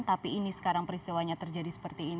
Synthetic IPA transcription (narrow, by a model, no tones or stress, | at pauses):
t̪apiːnisə̥kaɾaŋpəɾist̪iwaɲat̪ərd͡ʒadisə̥pərt̪iːn